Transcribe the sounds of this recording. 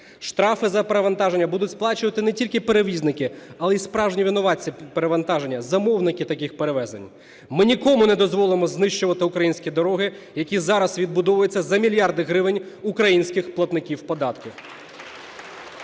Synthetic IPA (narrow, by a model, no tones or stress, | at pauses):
ʃt̪ɾɑfɪzɐpeɾeʋɐnt̪ɑʒenʲːɐbud̪ʊtʲsplˠɑt͡ʃʊʋɐt̪ɪnɛtʲilʲkɪpeɾeʋʲizʲnɪkɪɐlˠɛispɾɑwʒnʲiʋʲɪnɔʋɑt͡sʲːipeɾeʋɐnt̪ɑʒe̞nʲːɐzɐmɔwnɪkɪt̪ɐkɪxpeɾeʋɛzḛnʲ | mɪnʲikɔmʊnɛd̪ɔzʋɔlˠɪmɔznɪʃt͡ʃʊʋɐt̪ɪʊkɾɐjinʲsʲkʲid̪ɔɾɔɦɪ | jɐkʲizɑɾɐsʋʲid̪bʊd̪ɔʋʊjet͡sʲːɐzɐmʲilʲjɑrd̪ɪɦɾɪʋɪnʲ | ʊkɾɐjinʲsʲkɪxplˠɐt̪nɪkʲiwpɔd̪ɑt̪kɪ